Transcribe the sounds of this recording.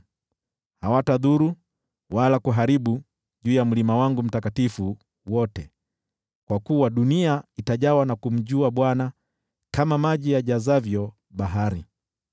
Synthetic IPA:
hawataðuɾu | walakuɦaɾiɓu | ʄuːjam̩limawaŋɡum̩takatifu | wɔtɛ | kwakuwaɗuniaitaʄawanakum̩ʄuaɓwana | kamamaʄijaʄazavjɔ | ɓaɦaɾi

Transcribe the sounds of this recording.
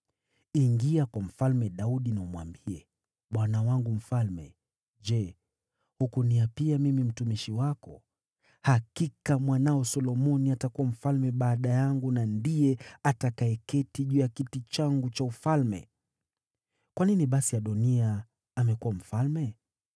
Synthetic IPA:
iŋɡiakwam̩falmɛɗauɗinaumwa̰mbiɛ | ɓwanawaŋɡum̩falmɛ̰ | ʄɛ | hukuniapiamimim̩tumiʃiwakɔ̰ | hakikamwanaɔsɔlɔmɔniatakuwam̩falmɛɓaːɗajaŋɡunandijɛatakaɛkɛtiʄujakitit͡ʃaŋɡut͡ʃaufalmɛ̰ | kwaniniɓasiaɗɔniaː | mɛkuwam̩falmɛ

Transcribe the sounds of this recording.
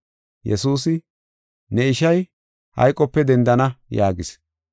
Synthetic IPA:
jɛ̰suːs̬ɪ | nɛɪʃɐj | hɐ̰jkʼːɔpːɛd̪ɛnd̪ɐnɐjaːɡɪs

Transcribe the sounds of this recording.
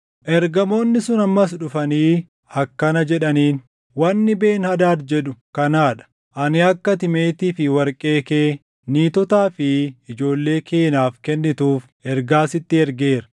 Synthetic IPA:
ʔɛɾɡɐmo̞ːnːɪsʊnɐmːɐs̬ᶑʊfɐniː | ɐkːɐnɐd͡ʒɛᶑɐniːn | wɐnːɪbe̞ːnhɐd̪aːt̪d͡ʒɛᶑʊkɐnaːᶑɐ̥ | ʔɐnɪɐkːɐt̪ɪme̞ːt̪iːfɪwɐɾkʼe̞ːkeː | niːt̪ɔt̪aːfɪɪd͡ʒo̞ːlːe̞ːkʰeːnaːfkɛnːɪt̪uːf | ɛɾɡaːsɪt̪ːɪɛɾɡeːɾɐ̥

